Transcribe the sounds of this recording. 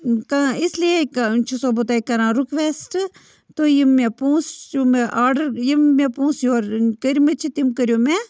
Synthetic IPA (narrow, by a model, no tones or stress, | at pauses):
kãislijekt͡ʃʰusoːbut̪aːikɐɾãːɾukʋeːsʈ | t̪ojimːepũːst͡ʃumeʔaːɖɐɾjimːẽpũːsjoːɾkəɾimet͡ʃʰit̪imkəɾjoːme